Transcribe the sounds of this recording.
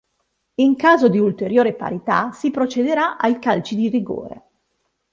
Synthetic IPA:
iŋkaːzod̪iult̪eɾjoːɾepa̰ɾit̪a̰sipɾot͡ʃed̪eɾaʔajkalt͡ʃid̪iriɡo̰ːɾḛ

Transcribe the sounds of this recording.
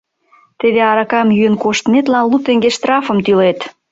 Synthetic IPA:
t̪eðeɑɾɑkɑmjyənkoʃt̪ənet̪lɑnlut̪eŋɡeʃt̪rɑfə̆mt̪ylet̪

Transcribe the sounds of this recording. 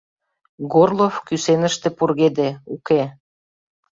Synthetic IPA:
ɡorlofkysenəʃt̪ĕpurɣed̪euke

